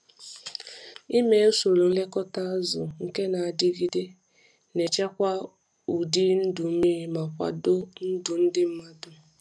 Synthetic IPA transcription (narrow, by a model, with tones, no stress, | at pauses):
i˦me˨˦o˦so˨lo˨n̩˦le˦kɔ˦ta˦a˦zʊ˨ŋ̩˦ke˦na˨a˨dɪ˦ɡi˦de˦ | ne˨t͡ʃa˦kʷa˦ | u˨di˦n̩˦dʊ˨˦mi˦ɾi˦ma˨kʷa̰˨dʊ˦n̩˦dʊ˨n̩˦dɪ˦m̩˦ma˦dʊ˨